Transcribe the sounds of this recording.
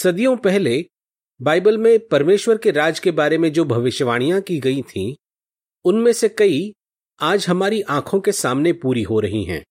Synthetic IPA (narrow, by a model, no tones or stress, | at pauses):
sɐd̪ijõpɛɦle | baːɪbəlmẽpɐɾmeːʃwəɾkeɾaːd͡ʒkebaːɾemẽd͡ʒoːbʱɐʋɪʃjʋaːɽ̃ijãkiɡɐit̪ʰḭ̃ | ʊnmẽsekɐi | aːd͡ʒɦɐmaːɾiʔãːkʰõkesaːmnepuːɾiɦoɾɐɦḭɦɛ̰̃ː